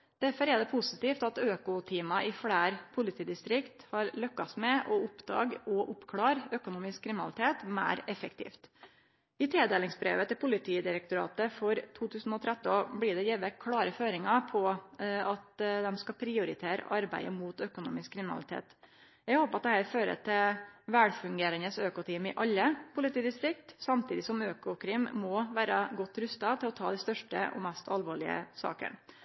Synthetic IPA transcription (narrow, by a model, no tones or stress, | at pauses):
d̪̥æɾfɔɾɛd̪ɛpʰʊsɪt̪iːft̪ɑt̪øːkʊt̪ʰiːmɑʔɪfɽæːɾpʰʊlɪt̪ʰiːd̪ɪst̪ɾɪkt̪hɑɾlœkːɑsmɛʔɔʊpd̪ɑ̰ːɡɔʔʊpkʰlɑːɾøkʊnuːmɪskʰːɾɪmɪnɑ̰lɪt̪ʰeːt̪mæ̰ɪɾɛfəkt̪ʰḭːft̪ | ɪt̪ʰɾeːd̪eːlɪŋsbɾḛːʋət̪ɪlpʰʊlɪt̪ʰiːd̪ɪɾɛk̚t̪ʊɾɑ̰ːt̪əfɔɾt̪ʰuːt̪ʰʉːsn̩ɔt̪ʰɾɛt̪ːɔblɪɖ̪ɛjɛːʋəkʰɽɑːɾəføːɾɪŋɑpʰɔɑt̪d̪ɛmskɑpʰɾɪʊɾɪt̪ʰeːɾə̰ʔɑɾbæ̰ɪə̰muːt̪œkʊnṵːmɪskʰːɾɪmɪnɑ̰lɪt̪ʰḛːt̪ | jæɪɡhoːpɑt̪̚d̪ɛhæːɾføːɾə̰t̪ʰɪlʋæɽfʉŋɡeːɾənəsøːkʊt̪ʰiːmɪʔɑlːəpʰʊlɪt̪iːd̪ɪst̪ɾɪk̚t̪sɑmt̪ʰiːd̪ɪsɔmøːkʊkʰɾɪmmɔʋæːɾəɡɔt̪ːɾʉst̪ɑt̪ʰɪlɔt̪ʰɑːd̪ɪst̪œʂʈə̰ʔɔ̰mɛst̪ʰɑlʋoːɭɪə̰sɑ̰ːkə̰n